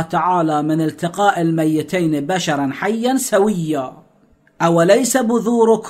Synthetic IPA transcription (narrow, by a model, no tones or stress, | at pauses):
t̪aʕaːlamɪnɪlt̪ɪqɑːʔɪlmajːɪt̪ajnbaʃɑɾˤɑnħajːansawɪjːa | ʔawlajsabʊðˤuːɾʊk